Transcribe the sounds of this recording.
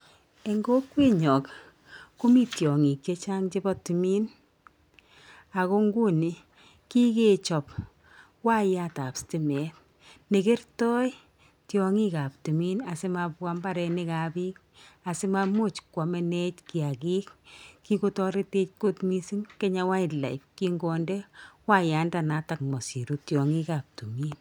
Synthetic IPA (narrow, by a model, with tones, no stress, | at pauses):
e˨ŋɡo˦kwe˦ɲɔ˨k | ko˦mi˦tjɔ˨ŋi˨k̚t͡ʃe˦t͡ʃa˦ŋt͡ʃe˦bɔ˦ti˨miː˦n | a˨ko˦ŋɡu˦ni˨ | ki˦ke˦t͡ʃɔ˨p | wa˦ja˨ta˨pstɪ˦mɛː˨˦t̚ | ne˨ke˦rtɔ˦j | tjɔŋi˦ka˨p̚tu˨mi˦na˨sɪ˦mapwa˦mba˦ɾɛ˧nɪka˨bi˦k̚ | a˨sɪ˦ma˦mo˦t͡ʃkwa˨mɛ˦nɛ˦tki˨a˨ki˦kkːi˦ko˦tɔ˦ɾe˦te˦t͡ʃ̚kotmisi˦ŋke˦ɲa˦wa˦la̰˨ɪp̚ki˦ŋɡɔndɛ˦wa˦ja˨ndanata˨kmɔ˨si˨ɾutjɔ˨ŋi˦ka˨p̚tu˨miː˦n